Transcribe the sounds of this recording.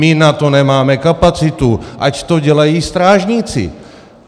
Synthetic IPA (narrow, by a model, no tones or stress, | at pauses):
ɪnat̪o̞nɛmaːmɛkapat͡sɪt̪uʔact̪o̞ɟɛlajiːst̪ɾaːʒɲit͡sɪ̰